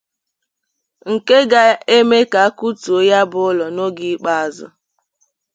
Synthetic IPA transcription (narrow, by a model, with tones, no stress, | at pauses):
ŋ̩˨ke˦ɡa˨e˦me˦ka˨a˦ku˦tu˨o˦ja˦bʊ˨˦ʊ˦lɔ˨no˦ɡi˦k͡pa˦a˨zʊ̰˨